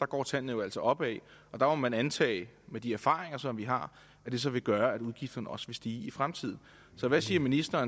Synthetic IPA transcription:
d̥ɑ̈ɡ̥ɒ̰ːt͡sʰæn̰n̩ˠjo̝æl̰sɒʔɒ̽b̥ɛɪʔɒ̽d̥ɑ̈momænænt͡sʰɛ̰ːɪmed̥iæɐfɑ̰̈ːʁeŋɐsɒ̽mʋiɦɑ̈ | æd̥e̝s̬ɒ̽ʋe̝ɡ̥ɶːɐæɾ̥uðˠɡ̥ifd̥ɐnəɒ̽sʋe̝sd̥iːifʁamt͡sʰiðˠn̩ | sɒ̽ʋæsiːɐminisd̥ɐːn

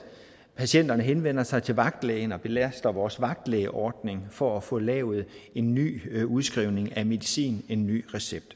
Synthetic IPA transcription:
pʰæsien̰d̥ɐnəɦenʋen̰ɐsɑ̈ɪt͡sʰe̝lʋɑ̈ɡ̥̚d̥leɪnɒ̽b̥e̝læsd̥ɐʋɒːsʋɑ̈ɡ̥̚d̥leɪʔɒːd̥ne̝ŋfɒ̽æfɔ̽lɛ̰ːʊð̩ˠe̝nːy̰ːuð̞ˠsɡ̥ʁiʊne̝ŋæme̝ðˠisḭːne̝nːy̰ːʁɛseb̥̚d̥

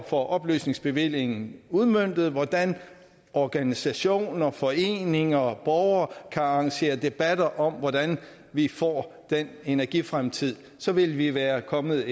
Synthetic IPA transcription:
fɒʔɒ̽b̥ly̰ːsne̝ŋsb̥e̝ʋil̰je̝ŋn̩uðˠmøn̰d̥ð̞̩ˠʋɒd̥æn | ɒɡ̥ænisæɕo̝̰ːnɐfɒ̽e̝̰ːne̝ŋɐb̥ɒʊɐkʰæɑɑ̈ŋɕe̝̰ːɐd̥e̝b̥æd̥ɐʔɒ̽mʋɒd̥æn | ʋifɒ̰ːd̥ene̝næɐɡ̥ifʁamt͡sʰið̰ˠ | sɒ̽ʋe̝lʋiʋæːɐkʰɒ̽mð̩ˠ

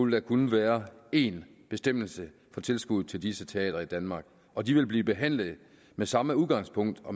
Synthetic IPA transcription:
ld̥ækʰunəʋæːɐe̝n | b̥e̝sd̥em̰l̩sə | fɒ̽t͡sʰe̝lsɡ̥uð̩̰ˠt͡sʰe̝ld̥isət͡sʰe̝ɛ̰ːd̥ɐid̥ænmɑ̈ːɡ̥ | ɒ̽d̥iʋe̝lb̥liːb̥e̝ɦæn̰ləð̩ˠ | mesɑ̈məuðˠɡ̥ɑ̈ŋ̰spʰɔ̽ŋ̰d̥ɒ̽

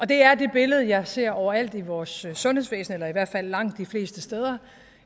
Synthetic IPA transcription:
ɒ̽d̥e̝æɐde̝b̥e̝ləð̞̩ˠjɑ̈ɪse̝ɐ̰ɒʊɐæl̰d̥iʋɒːsːɔ̽nheðˠsʋḛːsn̩elɐiʋæɐ̰d̥fæl̰ːɑ̈ŋ̰d̥ifle̝̰ːsd̥əsd̥eːð̞ˠɐ

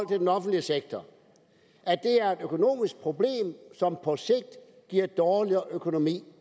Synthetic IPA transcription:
l̰t͡sʰe̝d̥enɒ̽fn̩d̥liəseɡ̥̚t͡sʰɒ | ʔæd̥e̝æɐe̝d̥økʰo̝no̝̰ːmisɡ̥̚pʰʁo̝b̥le̝̰ːmsɒ̽mpʰɒ̽se̝ɡ̥̚d̥ | ɡ̥iɐ̰d̥ɒːliɐʔøkʰo̝no̝mḭː

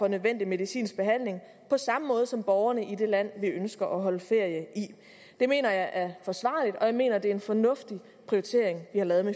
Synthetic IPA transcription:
fɒ̽nøðˠʋen̰d̥ime̝ð̞ˠisḭːnsb̥e̝ɦæn̰le̝ŋ | pʰɒ̽sɑ̈məmɔ̽ːð̞̩ˠsɒ̽mb̥ɒʊɐnəʔid̥e̝læn̰ʋiønsɡ̥ɐʔɒɦɒ̽ləfe̝ɐ̰jəʔi | d̥e̝me̝̰ːnɐjɑ̈ɪʔæɐfɒ̽sʋɑ̰̈ːlid̥ɒ̽jɑ̈ɪme̝̰ːnɐd̥e̝æɐe̝nfɒ̽nɔ̽fd̥i | pʰʁiot͡sʰe̝ɐeŋʋihɑ̈lɛːð̞̩ˠme

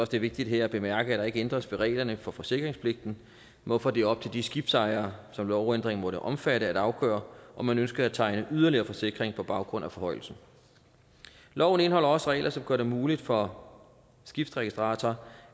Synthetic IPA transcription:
ɒsd̥e̝ʋe̝ɡ̥̚d̥id̥ɦeɐæb̥e̝mæɐɡ̥əæd̥ɑ̈e̝ɡ̥əend̥ʁɐsʋeʁɛ̰ɪlɐnəfɒ̽fɒ̽se̝ɡ̥ʁeŋspʰle̝ɡ̥̚d̥n̩ | mɒ̽fɒdeɒ̽b̥̚t͡sʰe̝ld̥isɡ̥ib̥sɑ̈ɪɐːsɒ̽mlɒʊend̥ʁeŋ̩mɔ̽ɾəʔɒ̽mfæɾəæd̥ɑ̈ʊɡ̥œːɐʔɒ̽mænønsɡ̥ɐæt͡sʰɑ̈ɪnəʔyðˠɐliɐːfɒ̽se̝ɡ̥ʁeŋpʰɒ̽b̥ɑ̈ʊɡ̥ʁɔ̽n̰æfɒ̽hɒ̽ɪ̰l̩sn̩ | lɒʊ̰n̩e̝nhɒ̽l̰ɐɒ̽sʁɛ̰ɪlʔɐsɒ̽mɡ̥ɶɐɾemuːlid̥fɒ̽ | sɡ̥ifd̥ʁɛɡ̥isd̥ʁɑ̈ːt͡sʰɐː

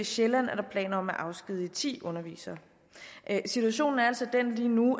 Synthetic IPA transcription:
iɕelæn̰æɐɾ̥ɑ̈pʰlɛ̰ːnɒ̽mæʔɑ̈ʊsɡ̥ið̞̰ˠit͡sʰḭːʔɔ̽nɐʋḭːsɐ | sit͡sʰuæɕo̝̰ːn̩æɐælsɒ̽d̥enliːnu

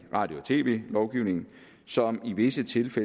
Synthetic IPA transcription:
ʁɑ̈d̥jot͡sʰe̝̰ːʋe̝̰ːlɒʊɡ̥iʊ̰ne̝ŋn̩ | sɒ̽miʋe̝sət͡sʰe̝lfe

